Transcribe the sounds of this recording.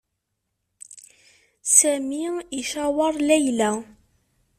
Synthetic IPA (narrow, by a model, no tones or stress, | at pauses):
sæmiiθæwɑɾˤlæjlæ